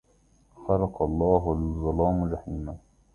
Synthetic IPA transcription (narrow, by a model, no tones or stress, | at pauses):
xɑɾˤɑqɑlˤːɑːɦalɪzˤːɑlɑːmɾɑħiːma